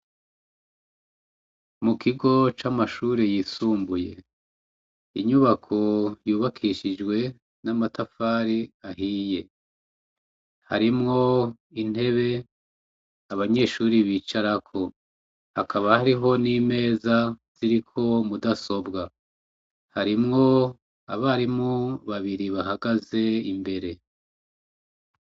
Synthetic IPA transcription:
mukʰiɡo̞t͡ʃamaʃuːɾejisuːmbuje̞̰ | ḭɲuβakʰo̞juːβakʰiʃid͡ʒɡwe̞ | namatafaɾiahiːje̞ | ha̰ɾimŋo̞ | in̥e̞βe̞ | aβaɲe̞ːʃuːɾiβiːt͡ʃaɾakʰo̞ | hakʰaβahaɾiɦo̞nime̞ːzaz̥iɾikʰo̞mudaso̞bɡa | haɾimŋo̞ | aβaːɾimuβaβiɾiβaɦaɡaze̞imbe̞ɾe̞

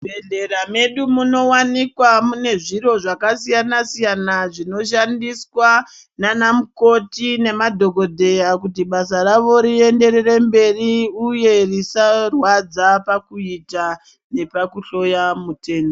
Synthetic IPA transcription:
bʱeɮe̞ɾame̞ɗumuno̞wanikwamune̞ʐiɾo̞ʐakasijanasijanaʐino̞ʃandiswa | nanamuko̞tine̞madʱo̞ɡʱo̞dʱe̞jakutiɓasaraʋo̞ɾie̞nde̞ɾe̞re̞mbe̞riuje̞risarwad͡zapakuita | ne̞pakuɬo̞jamute̞ːno

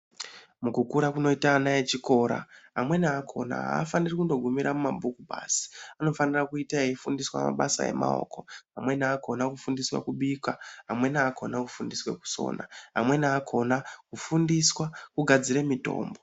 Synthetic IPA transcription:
mukukuɾakuno̞itaːnajet͡ʃiko̞ːɾa̰ɦamwe̞naːkʰo̞̰na̰ɦa̰ːfanirikundo̞ɡʱumiɾamumambukubʱa̰si̥ano̞fanirakuitaeifundiswa̰ma̰ɓasa̰e̞̰ma̰o̞̰ːko̞ɦamwe̞naːkʰo̞nakufundiswa̰kuɓiːkwaɦamwe̞naːkʰo̞nakufundiswe̞̰ku̥so̞̰ːna̰ɦa̰mwe̞naːkʰo̞nakufundiswakuɡʱad͡ziɾe̞mito̞̰ːmbo

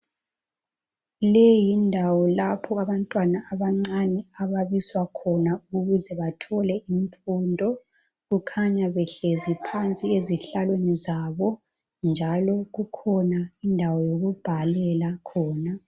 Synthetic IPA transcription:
lejindʱawɔlapʰɔaβantʼwanaʔːβaŋ͡ǀanɛaβaβiswakʰɔnauɣuzɛβatʰɔlɛiɱfuːndʱɔ | ɣukʰaɲaβɛɬezipʰant͡sʼieziɬalwenizaβɔ | nd͡ʒʱalɔɣukʰɔnaindʱawɔjoɣub̥ʱalɛlakʰɔːna

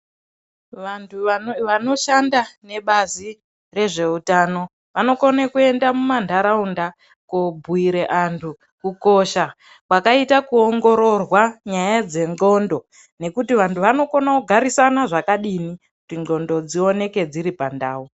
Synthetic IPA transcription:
ʋantʰuʋano̞ʃandane̞ɓazi | re̞ʐe̞utano̞ | ʋano̞konekue̞ndamumandʱaɾaunda | kobʱuiɾeʔantʰu | kuko̞ʃa | kwakaitakuoŋɡo̞ɾo̞rwaɲajad͡ze̞ŋɡo̞ndo̞ | ne̞kutiʋantʰuʋano̞konakuɡʱaɾisanaʐakaɗinikutiŋɡo̞ndo̞d͡zio̞ne̞ke̞d͡ziɾipandaːu

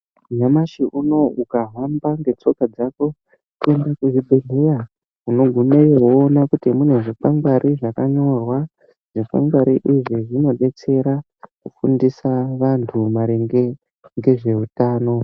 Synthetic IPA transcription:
ɲamaʃiʔuno̞ukaɦwambaŋɡe̞t͡so̞kad͡zako̞ | kue̞ndakuʐibʱeɮʱeja | uno̞ɡʱumeewoːnakutimun̤eʐifaŋɡwaɾʔiʐakaɲo̞rwa | ʐ̥ifa̰ŋɡwaɾiʔiʐiʐino̞ɗe̞t͡se̞ɾa | kufundisaʋantʰumaɾeŋɡe | ŋɡe̞ʐe̞utaːno̞

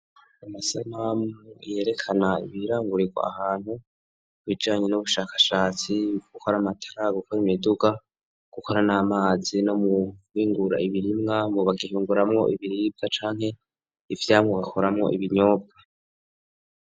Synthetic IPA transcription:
amasamamuje̞ɾe̞kʰanaḭβiɾaːŋɡuɾiɡwa̰ahaːn̥hu | uβid͡ʒaːɲe̞nuβuʃaːkḁʃaːt͡siɡ̥ukʰoɾamatʰḁɾaɡukʰoɾimiduɡa | ɡ̥uko̞ɾanamaːzino̞muiːŋɡuɾa̰iβiɾimŋamuβaɡiɦuːŋɡuɾamŋo̞̰ʔiβiɾiːbat͡ʃaːŋhe̞ | ivjaːmŋoβakʰoɾamŋo̞̰ʔiβiɲoːbɡe

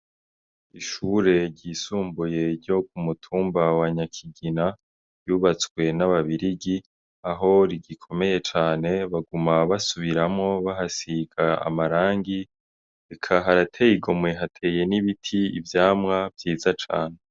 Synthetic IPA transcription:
iʃuːɾe̞ɾɟiːsuːmbuje̞ɾɟo̞k̚umutʰuːmbawaɲakʰiɡina | juːβat͡swe̞naβaβiɾiɡi | aɦo̞ɾiɟikʰo̞me̞je̞t͡ʃaːne̞βaɡumaβasuβiɾamŋo̞βaɦasiɡaa̰maɾaːŋɡi | ekʰaɦaɾatʰe̞iɡo̞mŋe̞ɦatʰe̞ːje̞niβitʰiivjaːmŋavjiːzat͡ʃa̰ːne

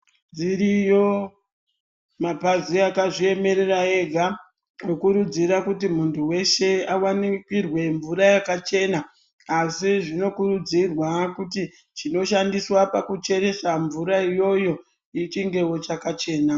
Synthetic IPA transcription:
d͡ziɾijo̞ | mapaziakaʐie̞me̞ɾe̞rae̞ɡʱa | okuɾud͡ziɾakutimuntʰuwe̞ʃe̞awanikirwe̞ɱvuɾajakat͡ʃe̞naː | siʐino̞kurud͡zirwakuti | t͡ʃino̞ʃandiswapakut͡ʃe̞ɾe̞saɱvuɾaijo̞jo̞ | it͡ʃiŋɡe̞wo̞t͡ʃakat͡ʃe̞ːna

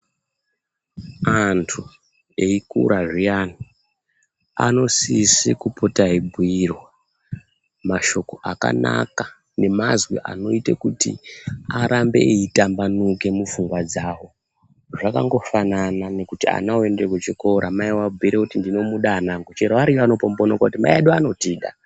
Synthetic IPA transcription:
antʰu | e̞ikṵɾaʐijani | a̰no̞sisikupʰotaibʱuirwa | maʃo̞ko̞ʔaka̰na̰ka | ne̞mazwḭʔa̰no̞itekutḭaɾambe̞̰ʔeitambanuke̞mufuŋɡwad͡zawo̞ | ʐaka̰ŋɡo̞fananane̞kutia̰naoe̞ndekwet͡ʃiko̞ɾamaiwabʱuiɾekutindino̞muɗaːnaŋɡot͡ʃeɾaʋaɾijanopombonokautima̰jaɗuano̞tiːɗa̰

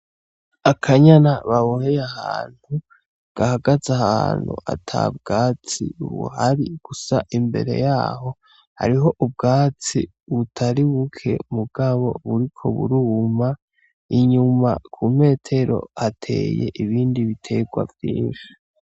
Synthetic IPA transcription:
akʰaɲanaβaβohejahaːn̥hu | ɡ̥ahaɡazahaːn̥hṵʔa̰tʰa̰bɡaːt͡sḭβṵhaɾiɡ̥usa̰ʔimbe̞̰ɾe̞̰jaːho̞ | ha̰ɾiɦo̞ʔubɡaːt͡si | βutʰaɾiβukʰe̞̰muɡ̥aβo̞̰βuɾikʰo̞̰βṵɾuːma | iɲuma̰kʰuːme̞ːtʰe̞ɾo̞̰atʰe̞̰ːjḛʔiβiːndiβitʰe̞ɡwa̰vjiːnʃi̥

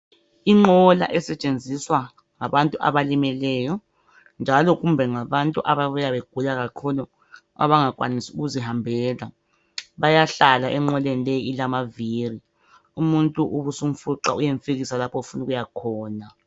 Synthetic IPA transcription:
iŋ͡ǃɔla̰ʔɛsɛt͡ʃʼend͡zʱiswa | ŋaβantʼuʔa̰βalimɛlɛjɔ | nd͡ʒʱalɔɣumbʱɛŋaβantʼuʔaβaβujaβeɡ̥ʱulaɣakʰulu | a̰βaŋakʼwa̰nisiuɣuziɦambʱɛːla | βajaɬalaʔɛŋ͡ǃɔlenilejiilamaviri | umuntʼuʔuβusum̩fuǁa̰ujeɱfiɣisalapʰɔufunuɣujakʰɔːna

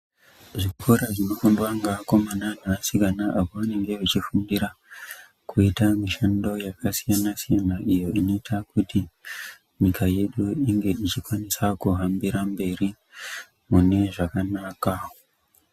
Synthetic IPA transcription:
ʐikukoɾaʐino̞fundwaŋɡakomananaasikanaʔaβoʋaniŋɡeβit͡ʃifundiɾa | kʰuitamiʃando̞jakasijanasijanaʔijo̞inotʰakuti | nikajeɗuiŋɡe̞it͡ʃikwanesakuɦambiɾambe̞ɾi | mune̞ʐakanakao

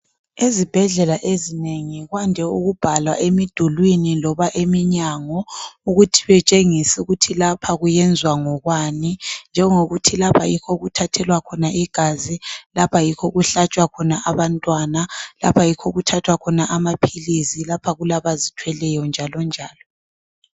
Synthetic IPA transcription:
ezib̥ʱɛɮɛlaʔezineŋiɣwandʱɛuɣub̥ʱalwaʔemid̥ʱulwinilɔβaʔemiɲaŋɔuɣutʰi̥βɛt͡ʃʼeŋisuɣutʰilapʰaɣujɛnd͡zʱwaŋɔɣwanind͡ʒʱɛŋoɣutʰilapʰa̰jikʰɔɣutʰatʰɛlwakʰɔnaiɡ̥ʱazilapʰajikʰɔɣuɬat͡ʃʼwakʰɔnaʔaβantʼwanala̰pʰajikʰɔɣutʰatʰwakʰɔnaʔamapʰilizilapʰaɣulaβazitʰwɛlɛjɔnd͡ʒʱalɔnd͡ʒʱaːlɔ

